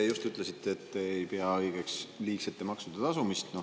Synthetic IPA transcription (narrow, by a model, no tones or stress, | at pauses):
ejust̪yt̪lesit̪ːˑeːt̪ːeːjpe̞ɑɤjɡ̥e̞ksliːkset̪ːˑemɑksud̪̥ɑt̪ɑsumist̪no